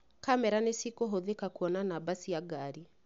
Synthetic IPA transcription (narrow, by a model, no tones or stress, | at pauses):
kamɛɾanesikoɦoðekakuɔnanabasijaɡaɾi